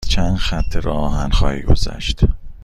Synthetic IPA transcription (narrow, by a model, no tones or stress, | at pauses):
t͡ʃʰænd̪xæt̪ʰːeɾɒːɒːɦænxɒ̰ːhiːɡo̞̰zæ̰ʃt̪